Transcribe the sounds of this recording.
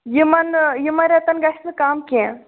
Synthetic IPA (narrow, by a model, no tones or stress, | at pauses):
jimɐnjimɐɾʲɐt̪ɐnɡɐʃʰmikaːmkʲẽ